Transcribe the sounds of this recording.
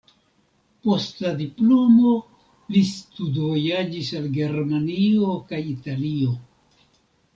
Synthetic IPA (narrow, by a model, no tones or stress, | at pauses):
po̞stladiplo̞mo̞ | listudvo̞jad͡ʒisalɡe̞ɾmanio̞kajitalio̞